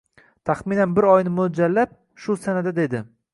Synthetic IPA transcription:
t̪ʰaχminanbɪɾɒjnɪmod͡ʒalːap̚ | ʃʊsanad̪ad̪e̞d̪ɪ

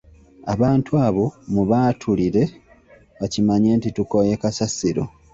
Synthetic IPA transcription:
aβaːntuaːβo̞muβaːtʰuliɾe̞ | βacimaɲe̞ːntituko̞je̞kasasiɾo̞̰

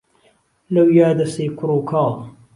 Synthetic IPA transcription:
lɐwjaːd̪ɐseːkʰʊɾoːkʰɑː

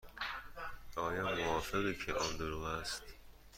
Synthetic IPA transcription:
ʔɒːjɒːmoɒːfeɣecʰeʔɒːnd̪oɾuːæst̪

